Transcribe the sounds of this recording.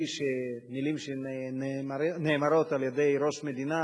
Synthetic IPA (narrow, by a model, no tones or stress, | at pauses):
ʃenilimʃenneːmaɾo̞t̪aljed̪e̞jɾo̞ʃme̞d̪ina